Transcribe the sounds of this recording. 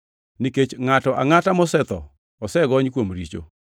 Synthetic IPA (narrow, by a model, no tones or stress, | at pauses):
niket͡ʃŋatɔʔa̰ŋatamɔsɛt̪ɔ̰ | ɔsɛɡɔɲkwomɾit͡ʃo̰